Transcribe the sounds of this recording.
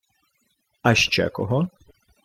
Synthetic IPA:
aʃt͡ʃɛ̰kɔ̰ɦɔ

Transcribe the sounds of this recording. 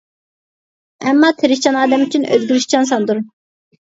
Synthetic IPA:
ɛmːɑːt̪ʰeɾiʃt͡ʃʰɑnɑːd̪ɛmyt͡ʃʰynø̰zɡʲyɾyʃt͡ʃʰɑns̬ɑnd̪uɾ

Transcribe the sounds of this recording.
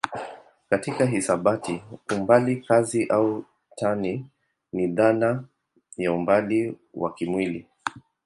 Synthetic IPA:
katikaɦisaɓatiumbalikaziʔau | tʰani | niðana | jaumbaliwa̰kimwili

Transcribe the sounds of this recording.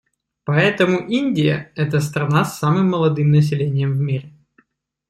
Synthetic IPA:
pɐɛt̪əmʊʔinʲdʲɪjə̰ɛt̪əst̪ɾɐnasːamɨmːəlˠɐd̪ɨmnəs̬ʲɪlʲenʲɪjəmvmʲiɾʲɪ

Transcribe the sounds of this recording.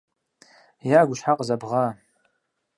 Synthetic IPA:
jaɡʷʊʃħaqʼzabʁa

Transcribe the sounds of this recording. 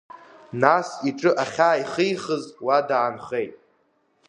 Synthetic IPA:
nasiʈ͡ʂʼɨʔaχʲaːiχɨjχəzwadaʕːnχejtʼ

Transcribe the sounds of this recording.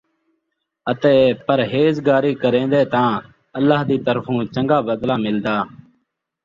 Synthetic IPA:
ət̪eːpəɾɦeːzɡaːɾiːkəɾẽːnd̪eːt̪ãː | əlːaːɦd̪iːt̪əɾfʰũːt͡ʃəŋɡaːbəd̪laːmɪld̪aː

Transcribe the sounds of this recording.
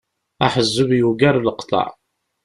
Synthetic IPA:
a̰ħəzːʊvjuɡaɾləqt̪ˤɑ̰ʕ

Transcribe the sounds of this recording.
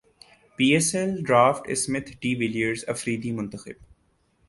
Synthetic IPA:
piːɛsɛlɖɾaːfʈɪ̰smɪt̪ʰɖiːʋɪlijəɖzɐfɾiːd̪imʊ̃nt̪əxɪ̰b

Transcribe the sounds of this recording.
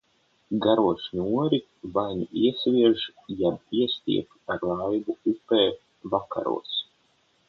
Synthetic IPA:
ɡaɾuɔʃɲuɔɾi | vajɲuiɛsvʲiɛʒ | jab̚iɛst̪ʲḭɛp | aɾlˠajbuupɛː | vaka̰ɾṵːs

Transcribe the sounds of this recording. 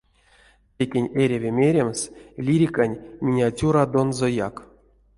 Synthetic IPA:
tʲekʲenʲeɾʲevʲemʲeɾʲemslʲiɾʲikanʲmʲinʲeatʲuɾad̪onzojak

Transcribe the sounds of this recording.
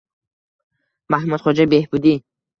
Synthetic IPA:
mahmud̪χɔd͡ʒabehbud̪i

